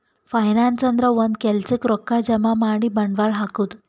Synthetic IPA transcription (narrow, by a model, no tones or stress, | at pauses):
fajnant͡ɕənd̪ɾəʋənkɛlt͡sikɾɔkːad͡ʑəmamaɽibəɳɖʋaɭɦakut̪